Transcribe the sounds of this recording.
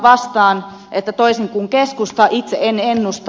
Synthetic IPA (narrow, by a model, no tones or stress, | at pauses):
ʋɑst̪ɑːn | ʔet̪ːæt̪oiseŋkuŋkeskust̪ɑʔit̪seʔenenːust̪